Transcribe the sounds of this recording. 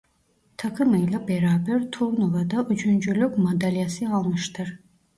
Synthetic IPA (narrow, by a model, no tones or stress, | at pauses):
t̪ʰakʰɯmɯjlˠabeɾaːbɛɾt̪ʰuɾnovad̪aʔyd͡ʒynd͡ʒylykmad̪alʲijasɯalˠmɯʃt̪ʰɯɾ